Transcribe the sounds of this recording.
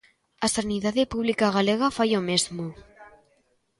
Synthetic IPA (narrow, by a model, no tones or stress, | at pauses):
asaniðaðepuβlikaɣaleɣafajomezmo